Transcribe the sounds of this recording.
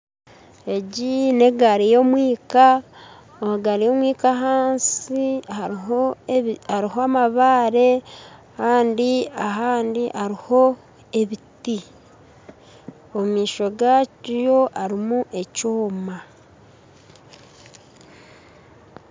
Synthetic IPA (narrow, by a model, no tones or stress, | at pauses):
e̞ɟine̞ɡaɾijo̞mwiːka | ohaɡaɾijo̞mwiːkaɦaːnsi | aɾiɦoamaβaːɾe̞ | kaːndiaɦaːndiʔaɾiho̞ | e̞βiti | omumiːʃo̞ɡajo̞ʔaɾimuʔe̞coːma